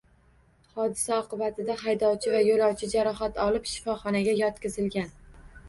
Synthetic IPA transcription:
hɒd̪ɪsaɒqɨbat̪ʰɪd̪aɦajd̪ɒwt͡ʃʰɪvajolˠɒwt͡ʃʰɪd͡ʒaɾɒɦat̪ʰɒlɪpʃɪ̥fɒχɒnaɡʲajɒt̪kʲɪzɪlɡʲan

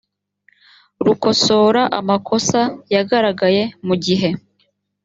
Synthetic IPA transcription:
ɾuko̞so̞ːɾaʔa̰makʰo̞sajaɡaɾaɡaje̞muɟiɦe̞

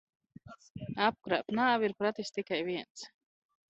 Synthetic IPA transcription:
ap̚kɾa̰ːpnaːviɾpɾat̪ist̪ikajviɛnt̪s

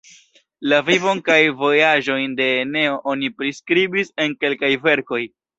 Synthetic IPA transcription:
lavivo̞nkajvo̞jaʒo̞jnde̞ne̞o̞ʔo̞nipɾiskɾibise̞nke̞lkajve̞ɾko̞j

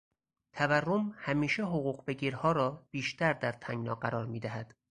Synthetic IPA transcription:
t̪ʰæværːomhæmiːʃeɦoɣuːɣbeɡiːɾhɒːɾɒːb̥iːʃt̪ʰæɾd̪æɾt̪ʰæŋɡnɒːɢæɾɒːɾmiːd̪æɦæd̪̥

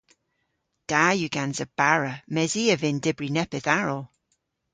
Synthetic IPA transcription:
d̥aːjʉɡ̥anzəb̥aɹəmɛziːəvɪndɪbɹinɛpɪθaɹɔlˠ

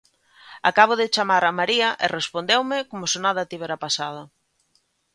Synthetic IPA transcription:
a̰kaβ̞ʊðɪt͡ʃamaɾamaɾiɐʔɪrespond̪ewmɪkomʊsonaðat̪iβeɾapasað̞ʊ

